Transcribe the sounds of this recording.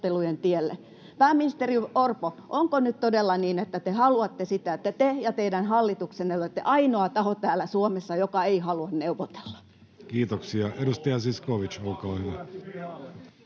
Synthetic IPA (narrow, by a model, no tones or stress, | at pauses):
t̪elujent̪ielːḛ | pæːmːinist̪eriorpoʔoŋkonyt̪t̪odelːɑniːnet̪ːæt̪ehɑluɑt̪ːesit̪æet̪ːæt̪ejɑt̪eidænhɑlːit̪uksenːeoet̪ːḛʔɑinoɑt̪ɑhot̪æːlæsuomesːɑjokɑeihɑluɑnneuʋot̪e̥lːɑ̥ | kiːt̪oksiɑedust̪ɑjɑsiskoʋit͡ʃolkɑːhyʋæ